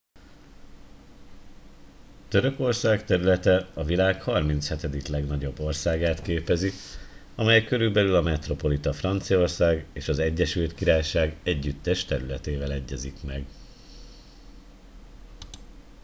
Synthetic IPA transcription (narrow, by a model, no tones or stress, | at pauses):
t̪ø̞ɾø̞ko̞rsaːkt̪ɛɾylɛt̪ɛɒvilaːkhɒrmint̪shɛt̪ɛd̪iklɛɡnɒɟo̞bːo̞rsaːɡaːt̪keːpɛzi | ɒmɛjɛkø̞ɾylbɛlylɒmɛt̪ro̞po̞lit̪ɒfrɒnt̪sijo̞rsaːɡeːʃɒzɛɟːɛʃylt̪kiɾaːjʃaːɡɛɟːyt̪ːɛʃt̪ɛɾylɛt̪eːvɛlɛɟːɛzikmɛɡ